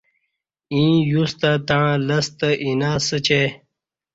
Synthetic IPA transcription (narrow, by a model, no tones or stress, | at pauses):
ĩːjust̪at̪ãlɐst̪əʔinaːsət͡ɕe